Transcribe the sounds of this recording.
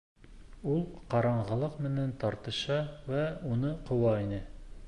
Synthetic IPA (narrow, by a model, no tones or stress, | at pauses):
ulˠqɒɾɑɴʁɤ̆lˠɤqmɘ̆nænt̪ɒɾt̪ɤ̆ʃɑwæunɤqŏwɑinɘ